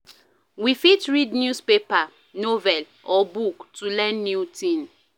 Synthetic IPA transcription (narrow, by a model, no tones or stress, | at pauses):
wifitɹidnjuspepa | novɛl | ɔbuktulɛ̃nːjutĩn